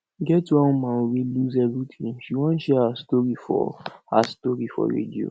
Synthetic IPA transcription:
ɡɛtːuãmãweluzɛvɹitʰĩŋʃiwɔ̃nʃɛhastɔɹifɔ̰hastɔɹifɔ̰ɹḛdio̰

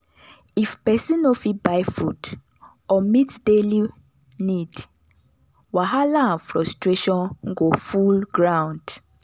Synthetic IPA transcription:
ifpɛsĩnofibajfud | ɔmitdeli | nid | waɦalãfɹɔstɹeʃɔ̃nŋɡofulɡɹãw̃nd̥

